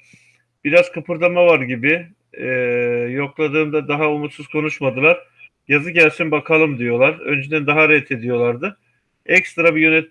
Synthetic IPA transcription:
b̥iɾazkʰɯpʰɯɾd̪amavaɾɟibɪ | jo̞klˠad̪ɯːmd̪ad̪aɦaumut̪suz̥kʰo̞nuʃmad̪ɯlˠaɾ̥ | jazɯɟælʲsinbakʰalˠɯmd̪ijo̞lˠaɾø̰nd͡ʒed̪ænd̪aɦaɾɛt̪ʰe̞d̪ijo̞lˠaɾd̪ɯ | ɛcst̪ɾabijø̞nɛt̪̚

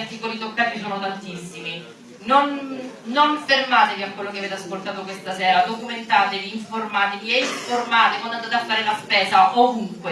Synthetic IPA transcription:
rt̪ikolit̪okːaːt̪isoːnot̪ant̪isːimi | nonːoɱfermaːt̪eviakwelːok̬eaveːt̪easkolt̪aːt̪okwest̪asɛːɾad̪okument̪aːt̪eviːɱformaːt̪eviɛiɱformaːt̪ekwand̪ant̪at̪afːaːɾelaspɛːzaʔovuŋkwe

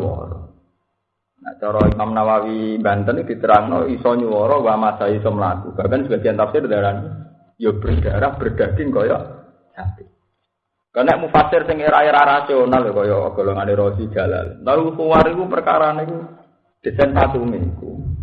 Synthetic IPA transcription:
wɔ̰ɾɔ̰ | na̰t͡ʃɔɾɔimamnawawimbant̪ənud̪̥i̤t̪əɾaŋnɔ̰isɔɲuwɔɾɔwamasajisəməlak̪ub̥akansəb̥a̤d̥̪iant̪afsɪrd̪aɾahnku | jɔb̥ərd̪̥a̤ɾahb̥ərd̪̥a̤ɡ̥ɪŋkɔjɔ̰ | d͡ʒat̪ɪ | kənɛʔmufasɪrsɪŋeɾaiɾaɾasionalokɔjɔ̰ɡ̥o̤loŋaneɾɔsid̥d͡ʒ̥a̤la̰llalusuwaɾiwupərka̰ɾaneiku | d̪̥ə̤sɛnsat̪uŋiḭkṵ

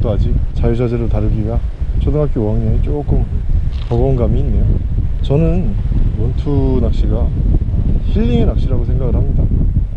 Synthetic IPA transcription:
t͈oad͡ʑit͡ɕajusʰad͡ʑeɾotaɾɯɡiɡat͡ɕʰʌdɯŋakʰiwaŋɲeit͡ɕ͈ok͈ɯmkʌɡʌunɡamiːnːe̞jot͡ɕʌnɯnwʌntʰunak̚ɕ͈iɡa | ɕʰiʎːiŋenak̚ɕ͈iɾaɡosʰe̞ŋɡaɡɯɭɦamːida

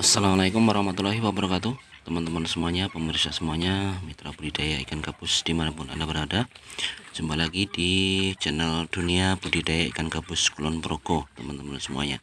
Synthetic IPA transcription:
ʔasːalamalaikʊmwaɾahmat̪ulahiwabəɾakat̪ut̪əmant̪əmansəmuaɲapəmərsasəmuaɲamit̪ɾabudidajaʔikankabʊsd̥imanapʊna̰nabəɾada | d͡ʒumbalaɡidid͡ʒənalduniab̥udidajaḭkankabʊskulɔnpəɾokot̪əmant̪əmansəmua̰ɲa̰

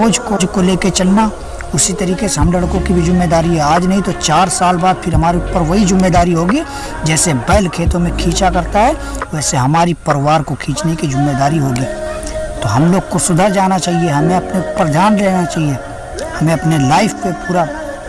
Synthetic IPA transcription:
oːd͡ʒkod͡ʒkoleːket͡ʃɐlna | ʊsit̪ɐɾiːkeseɦɐmlɐɽkõkibʱid͡ʒʊmːed̪aːɾiɦɛaːd͡ʒnɐɦĩt̪ot͡ʃaːɾsaːlbaːd̪̚pʰɪɾɦɐmaːɾipɐɾʋəid͡ʒɪmːed̪aːɾiɦoːɡi | d͡ʒɛːsebɐːlkʰeːt̪õmẽkʰĩːt͡ʃakɐɾt̪aɦɛ | ʋɛːseɦɐmaːɾipɐɾʋaːɾkokʰĩːt͡ʃnekid͡ʒɪmːed̪aːɾiɦoːɡiːt̪oɦɐmloːɡ̚kosʊd̪ʱad͡ʒaːnat͡ʃaːɦieɦɐmẽɐpnepɾɐd̪ʱaːnɾɛɦnat͡ʃaːɦie | hɐmẽɐpnelaːɪfpepuːɾa

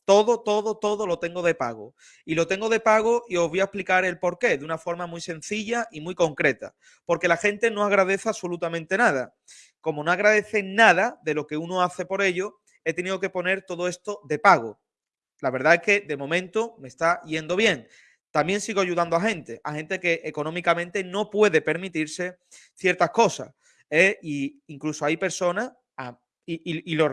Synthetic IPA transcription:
t̪o̞ðo̞t̪o̞ðot̪o̞ðo̞lo̞t̪e̞ŋɡoð̞e̞paɣ̞o̰ | ilo̞t̪e̞ŋɡo̞ð̞e̞paɣ̞oʔio̞zβojaesplikaɾe̞lpo̞ɾke̞ðunafo̞ɾmamise̞n̟θiʎaimwuiko̞ŋkɾe̞t̪a̰ | po̞ɾke̞laxe̞nt̪e̞noaɣɾaðe̞θeasolut̪amẽnt̪e̞naða | ko̞mono̞aɣ̞ɾaðe̞θe̞naðaðe̞lo̞ke̞unoaθe̞po̞ɾe̞ʎo | e̞t̪eniðoke̞po̞ne̞ɾt̪o̞ðoe̞st̪o̞ðe̞paɣ̞o | laβe̞ɾðaeske̞ðe̞mõ̞mẽnt̪ome̞st̪aʝe̞nd̪o̞β̞je̞ŋ | t̪ambje̞ŋsiɣoaʝuðand̪oaxẽ̞nt̪e̞ʔahe̞nt̪e̞ke̞ʔeko̞nõ̞mikamẽnt̪e̞no̞pwe̞ðe̞pe̞ɾmit̪iɾse̞ | θje̞ɾt̪ahko̞sa̰s | eiiŋklusoajpe̞ɾso̞na | a | iiilo

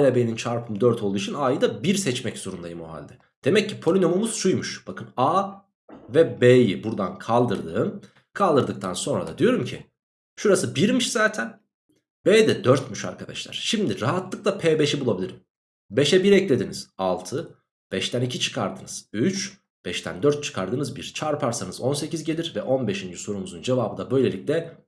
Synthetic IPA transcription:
alʲabenint͡ʃʰaɾpʰɯmd̪øɾt̪ʰo̞lˠujit͡ʃʰinaːjɯd̪abiɾsɛt͡ʃmɛczo̞ɾund̪ajɯmoɦa̰lʲd̪ɛ | d̪̥e̞mɛcːipʰolʲino̞mumuz̥ʃujmuʃb̥akʰɯnaː | vɛbeːjibuɾd̪ankʰalˠd̪ɯɾd̪ɯːm | kʰalˠd̪ɯɾd̪ɯk̚t̪ʰanso̞nɾad̪a̰d̪ijo̞ɾumcʰi | ʃuɾasɯbiɾmiʃzaːt̪ʰæn | beːd̪ɛd̪øɾt̪myʃa̰ɾkʰad̪a̰ʃlˠa̰ɾ̥ʃimd̪iɾaɦat̪lˠɯk̚lˠapʰeːbɛʃibulˠabilʲiɾim | beʃɛbiɾɛclʲe̞d̪iniz̥alˠt̪ʰɯ | b̥ɛʃt̪ʰænicʰit͡ʃʰɯ̥kʰa̰ɾd̪ɯnɯz̥yt͡ʃ | b̥ɛʃt̪ʰæ̰nd̪øɾt̪̚t͡ʃʰɯ̥kʰaɾd̪ɯnɯzbiɾt͡ʃʰaɾpʰaɾsanɯzo̞nse̞cizɟe̞lʲiɾvɛʔo̞nbe̞ʃind͡ʒiso̞ɾunuzund͡ʒevaːbɯd̪abø̞jlʲe̞lʲic̚lʲɛ

